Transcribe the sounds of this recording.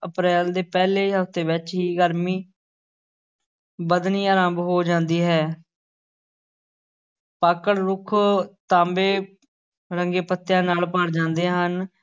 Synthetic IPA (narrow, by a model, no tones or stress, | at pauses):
əpɾɛːld̪eːpɛːleːɦəfʰt̪eːʋɪt͡ʃɦiːɡəɾmiː | bəd̪niːaːɾãːmbɦoːd͡ʒãːnd̪iːɦɛː | paːkəɽɾʊkʰt̪ãːmbeː | ɾəŋɡeːpət̪ːjãːnaːlpəɽd͡ʒãːnd̪eːɦən